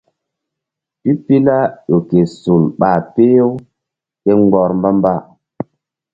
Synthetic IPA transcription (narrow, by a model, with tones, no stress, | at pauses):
pi˦pi˦la˦jo˨ke˨su˨lɓa˨pe˦jo˦ | ke˦ŋ˦ɡɔ˨ɾmba˦mba˦˨